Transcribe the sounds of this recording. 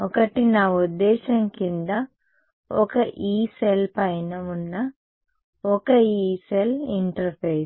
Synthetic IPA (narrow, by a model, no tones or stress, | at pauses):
ɔkɐʈinaːud̪ːɛːʃɐŋkind̪ɐ | ɔkɐʔiːselpɐjnɐunːɐ | ɔkɐiːseliɳʈɐɾpʰejs